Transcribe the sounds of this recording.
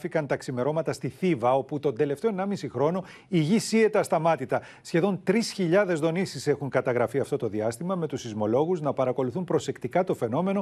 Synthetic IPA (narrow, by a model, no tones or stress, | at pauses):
fikɐnt̪ɐksime̞ɾo̞mɐt̪ɐst̪iθivɐo̞put̪o̞nd̪e̞le̞ft̪e̞oenɐmisixɾo̞no̞ | iʝisie̞t̪ɐst̪ɐmɐt̪it̪ɐ | sçe̞ðo̞nt̪ɾisçiʎɐðe̞zðo̞nisise̞xuŋkɐt̪ɐɣɾɐfiɐft̪ot̪o̞ðiɐst̪imɐme̞t̪usizmo̞lo̞ɣuznɐpɐɾɐko̞luθumpɾo̞se̞kt̪ikɐt̪o̞fe̞no̞me̞no̞